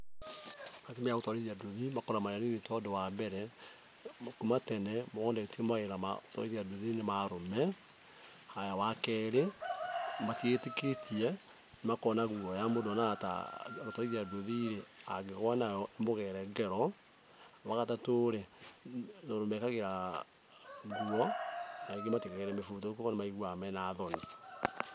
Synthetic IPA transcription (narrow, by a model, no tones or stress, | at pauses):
matemeaɣotwaɾiðiadoðimakɔɾamaɾanenetɔdowabɛɾɛ | mkumatɛnɛmoɣɔːndaetemaɣeɾama̰otɔ̰ɾiðiadoðinemaɾomɛ | hajawakɛɾe | matieteketiɛ | nemakɔnaɣuɔjamodɔnata̰otɔiðeadoðiɾeaɡeɣwanajɔʔemoɣɛɾɛɡɛɾɔ | waɣatatoɾe | noɾomɛkaɣeɾa | ɣuɔnaeɡematekaɣɛɾɛmefutɔkokɔnemaiɣwamɛnaðɔni